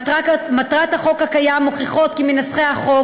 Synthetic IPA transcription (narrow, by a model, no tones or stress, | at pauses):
amat̪ʁat̪haχo̞khakajamoχiχo̞t̪kiminasχehaχo